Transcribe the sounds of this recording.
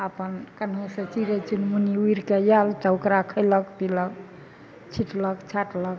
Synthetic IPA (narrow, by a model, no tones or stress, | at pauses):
əpənkənɦõsə̃t͡ʃiɾet͡ʃunmuniuiɾkejalt̪ɔukɾakʰəjləkpilək | t͡ʃʰiʈləkt͡ʃʰaʈlək̚